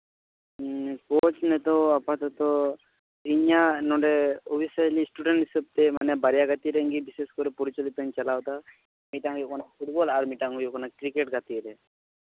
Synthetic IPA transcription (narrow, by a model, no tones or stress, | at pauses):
kot͡ʃnet̪ɔapãt̪ɔt̪ɔ | iɲanɔɳɖeobisalisʈuɖeɳʈisəb̚t̪emanebaɾjaɡat̪iɾeŋɡibiseskɔɾepɔɾit͡ʃɔlit̪ənt͡ʃɐlawt̪a | miʈaŋjokɔnapʰuʈ̚bɔlaɾmiʈaŋujokɔnakɾikeʈɡat̪iɾe